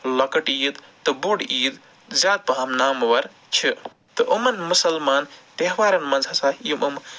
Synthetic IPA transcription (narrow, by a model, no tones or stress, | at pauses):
lɐkɐʈiːd̪t̪ɨbuɽiːd̪ | zʲjaːd̪̚pɐɦɐmnaːmʋɐɾ | t͡ʃʰi | t̪ɨʔumɐnmusɐlmaːnt̪eɦʋaːɾɐnmɐnzʱɐsaːiimum